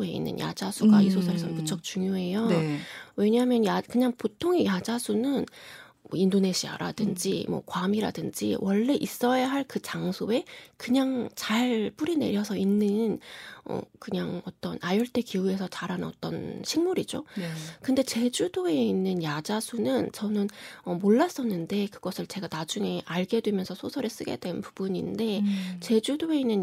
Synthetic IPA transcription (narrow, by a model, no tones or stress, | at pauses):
e̞ḭnːɯ̰nja̰d͡ʑasʰuɡaisʰosʰʌɾesʰʌnput͡ɕʰʌk̚t͡ɕuŋjoɦe̞jo | we̞ɲaɦamjʌnjakɯɲaŋpotʰoŋejad͡ʑasʰunɯn | mʌindone̞ɕʰia̰ɾa̰dɯnd͡ʑimwʌ̰kwamiɾa̰dɯnd͡ʑḭwʔʌɭːe̞ʔis͈ʌjaɦaɭkɯt͡ɕaŋsʰoe̞kɯɲaŋt͡ɕaɭp͈uɾine̞̰ɾjʌsʰʌinːɯnʌ̰kɯɲaŋʌt͈ʌnajʌɭt͈e̞kiue̞sʰʌt͡ɕaɾɦanʌt͈ʌ̰nɕʰiŋmuɾid͡ʑo̰kɯnde̞t͡ɕe̞d͡ʑudoe̞inːɯnjad͡ʑasʰunɯnt͡ɕʌnɯnʌmoɭːas͈ʌnːɯnde̞kɯɡʌsʰɯɭt͡ɕe̞ɡanad͡ʑuŋe̞ʔaɭɡe̞dwe̞mjʌnsʰʌsʰosʰʌɾes͈ɯɡe̞̰d̥we̞npubuɲḭnde̞t͡ɕe̞d͡ʑudoe̞inːɯn